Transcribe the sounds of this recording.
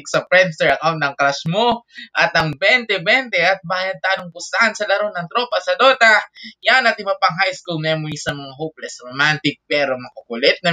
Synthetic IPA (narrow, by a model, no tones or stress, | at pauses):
ɪksɐpɾɛnsɛɹɐkawnt̪ɐŋkɾasmoʔɐt̪ɐŋbɛnt̪ɛbɛnt̪ɛɐt̪̚baːjɐd̪̚t̪aːnoŋpʊsaʔansɐlɐɾonɐŋt̪ɾo̞pɐsɐd̪oːt̪ɐjanɐt̪ɪbapɐŋɦajskulnɛmoisɐŋmɐŋaɦowplɛsɾomant̪ɪk̚pɛːɾomɐkɐkʊlɛt̪̚nɐ